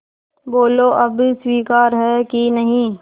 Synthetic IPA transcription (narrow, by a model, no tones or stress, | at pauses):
boːloʔɐbswiːkaːɾɦɛkinɐɦĩː